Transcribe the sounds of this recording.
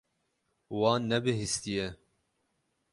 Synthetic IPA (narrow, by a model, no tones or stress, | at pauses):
wɑːnːɛbɨɦist̪ijɛ